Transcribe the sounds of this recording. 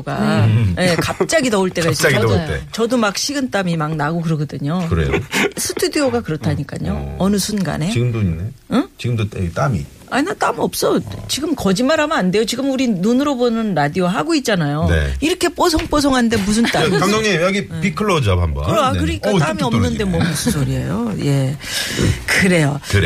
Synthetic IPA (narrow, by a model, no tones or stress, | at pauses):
oɡaje̞kap̚t͡ɕ͈aɡidʌuɭt͈e̞ɡais͈aɡḛt͡ɕʌdomak̚ɕʰiɡɯnt͈amimaŋnaɡokɯɾʌɡʌdɯɲokɯɾḛjo̰sʰɯ̥tʰudioɡakɯɾʌtʰaɲik͈a̰ɲoʌnɯsʰunɡa̰ne̞t͡ɕiɡɯmdoineɯt͡ɕiɡɯmdotet͈amḭ | aɲinat͈amʌp̚s͈ʌt͡ɕiɡɯmkʌd͡ʑimaɾamɯande̞jot͡ɕiɡɯmuɾinunɯɾobonɯnɾadioɦaɡoit̚t͡ɕ͈anajonḛiɾʌkʰe̞p͈os̬ʰoŋp͈osʰoŋɦannde̞mus̬ʰɯnt͈aamdoŋɲejaɡipikʰɯɭːʌd͡ʑabhambʌ̰kɯɾoakɯɾʌɲik͈at͈amiʌmnɯnde̞mwʌmusʰɯnsʰoɾiḛjoje̞ | kɯɾe̞joɯɾ